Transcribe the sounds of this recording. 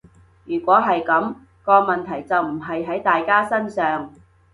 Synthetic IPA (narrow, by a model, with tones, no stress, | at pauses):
jyː˨˩kʷɔː˨˥ɦɐ˨jkɐ˨˥m | kɔː˧mɐ˨nt̪ʰɐ˨˩jt͡sɐ˨wm̩˨˩ɦɐ˨jɦɐ˨˥jt̪aː˨jkaː˥sɐ˥nsœː˨ŋ